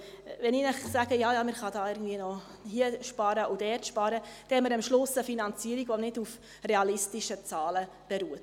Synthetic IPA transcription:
ʋɛninæχsæɡ̥əjɑːjɑːmɪχɑdɑːɪɾɡn̩dviənɔ | hiəʃpɑːɾəʔʊd̥ɛrtʃpɑːɾəd̥ɛɛməɾəmʃlʊsəfinɑnt͡siːəɾiɡʋɔnɪduf | rɛɑlɪstiʃət͡sɑːlə | b̥ɛɾuːət

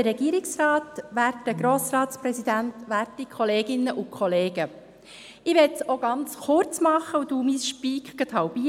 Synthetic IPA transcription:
əɾɛɡiːəɾɪksɾɑːtʋæːɾtːəɡɾoːsɾɑːt̪spɾɛzid̪ænt̪ʋæːɾtikʰɔleːɡɪnːəʔʊkʰχɔleːɡ̥ə | ɪʋɛtsoɡɑnt͡sχʊɾt͡smɑχəuduːmisʃpiːkkət̪ʰɑwbi

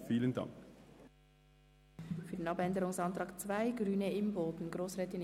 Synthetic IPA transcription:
fiːlənda̰ŋk | fyɐdeːnɑbɛndəʁʊŋsɑntʁ̥ɑːkt͡svaɪɡʁyːnəɪmboːtn̩ɡʁoːsʁɛːtɪn

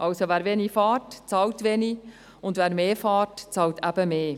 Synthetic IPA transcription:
ʔɑlsovæːɾʋenifɑːrtt͡sɑːltʋeni | ʊndvæːɾmeːfɑːrtt͡sɑːltʰæb̥əmeː

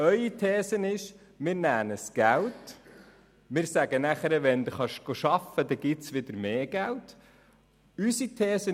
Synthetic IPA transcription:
œʏit̪ʰɛːsənɪʃ | mɪːɾnæːnəsɡ̥ælt | mɪːɾsæɡənæχəɾəʋɛnd̪uχɑʃɡ̥oʃɑfəd̥̪ɛɡ̥ɪtsʋɪd̪əɾmeːɡ̥ælt | ysit̪ʰɛːsə

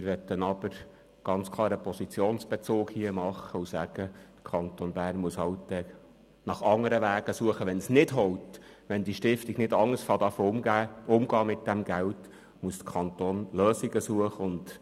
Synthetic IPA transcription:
mɪɾʋɛt̪ːənɑb̥əɾ | ɡ̥ɑnt͡skʰlˠɑːɾəpʰɔsit͡sjoːnsb̥ɛt͡soːkhiəmɑχːəusæɡ̥əd̥ə̥kʰɑnt̪onbæːrnmuəshɑwt̪ːɛ | nɑχɑŋːəɾəʋæːɡ̥əsuəχəʋɛnsnɪdɦɔwt | ʋɛnd̪iʃtɪft̪iɡ̥nɪdɑŋːəsfɑd̪ɑfəʊmɡæːʊmɡɑːmɪt̚d̥æmɡælt | muəsd̥̪ə̥kʰɑnt̪oːnløːsiɡəsuəχəʊnd̥

